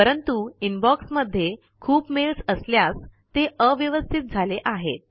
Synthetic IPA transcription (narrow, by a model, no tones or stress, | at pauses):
pəɾənt̪uinbɔksməd̪ʱːje | kʰuːpmelsəsljast̪eəʋjəʋəst̪ʰit̪̚d͡zʱaleʔaɦet̪̚